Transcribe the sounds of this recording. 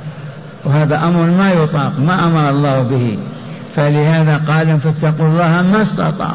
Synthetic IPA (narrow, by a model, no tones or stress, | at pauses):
whaːðaʔamɾˤmajʊt̪ˤɑːqmaʔamɑɾˤɑlˤːɑːhbɪhi | falɪhaːðaqɑːlʊmfat̪ːɑqulˤːɑːhmast̪ɑ̰t̪ˤɑ̰ːʕ